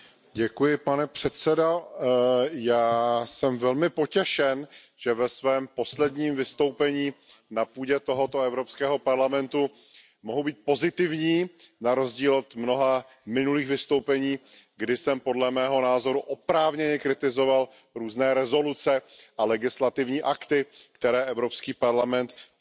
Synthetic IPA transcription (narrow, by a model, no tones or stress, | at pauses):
ɟɛkujɪpanɛpr̝̥ɛt̪sɛdo | jaːsɛmvɛlmɪpo̞cɛʃɛn | ʒ̥ɛvɛsvɛːmpo̞slɛdɲiːmvɪst̪o̞wpɛɲiːnapuːɟɛt̪o̞ɦo̞t̪o̞ɛvɾo̞pskɛːɦo̞paɾlamɛnt̪u | moɦowbiːt̪̚po̞zɪt̪ɪvɲiːnaɾo̞zɟiːlot̪mno̞ɦa | mɪnuliːxvɪst̪o̞wpɛɲiːɡdɪsɛmpo̞dlɛmɛːɦo̞naːzo̞ɾuʔopɾaːvɲɛɲɛkɾɪt̪ɪzo̞val | ɾuːznɛːɾɛzo̞lut͡sɛʔalɛɡɪslat̪ɪvɲiːʔakt̪ɪkt̪ɛɾɛːʔɛvɾo̞pskiːpaɾlamɛnt̪